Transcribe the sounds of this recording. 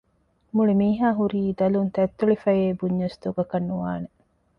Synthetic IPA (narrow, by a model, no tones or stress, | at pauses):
muɭimiːɦaːɦuɾiːd̪ɐlunt̪ɐt̪ːuɭifɐjeːbuɲːɐsd̪uɡɐkɐnːuʋa̰ːne